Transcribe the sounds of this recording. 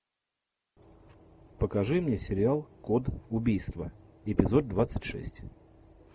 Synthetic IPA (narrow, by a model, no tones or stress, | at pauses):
pəkɐʐɨmnʲesʲɪɾʲɪalˠkod̪ʊbʲijst̪və̰ɪpʲɪzo̞d̪̚d̪vat̪sɨtʲʂɛ̰sʲtʲ